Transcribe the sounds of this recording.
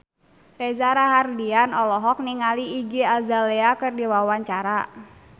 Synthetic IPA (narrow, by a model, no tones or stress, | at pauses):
rɛzaɾaɦardianɔlɔɦɔk̚niŋaliːɡiazaleakɨrdiwawaɲt͡ʃaɾa